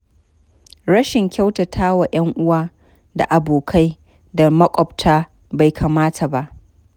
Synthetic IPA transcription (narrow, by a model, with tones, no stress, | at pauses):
ɽɐ˦ʃɪ˨ŋkʲa˦wtɐ˨tʰaː˦wa˨ʔɐ˦ŋʔʊ˦waː˦ | da̰˨ʔa˨boː˨kʰa˦j | da˨mɐ˦kʷʼɔ˨btʰaː˦ | ba˨jkʰaː˨maː˦tʰa˨ba˦ʔ